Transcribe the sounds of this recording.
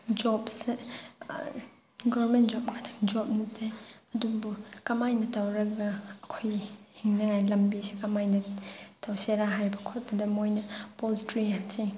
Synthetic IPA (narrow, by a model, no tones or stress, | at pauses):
d͡ʒɔpse | ɡɔɾmentd͡ʒɔp̚ŋatʰḁŋd͡ʒɔp̚nitʰejɐdubukɐmajnɐtawɾɐɡɐːkʰojhiŋnɐŋajlɐmbisekɐmajnɐtawseɾaɦajbɐkʰot̚bɐdɐmojnɐpoltɾiamse